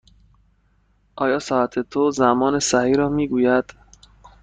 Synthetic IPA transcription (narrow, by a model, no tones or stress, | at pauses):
ʔɒːjɒːsɒːæt̪ʰet̪ʰozæmɒːnesæhiːɾɒːmiːɡuːjæd̪̥